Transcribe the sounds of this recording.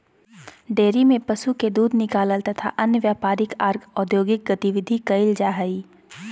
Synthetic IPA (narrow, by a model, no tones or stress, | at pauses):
ɖeːɾimẽpɐʃuked̪uːd̪ʱnɪkaːləlt̪ɐt̪ʰa̰ʔɐnjəʋjaːpaːɾɪkaːɾɡɔːd̪joːɡɪk̚ɡɐt̪ɪʋɪd̪ʱikɐɪld͡ʒaːɦəiː